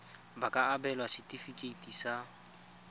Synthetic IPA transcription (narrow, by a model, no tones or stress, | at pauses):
bakʼaːbɛlwasɪtʼifikʼeitʼisa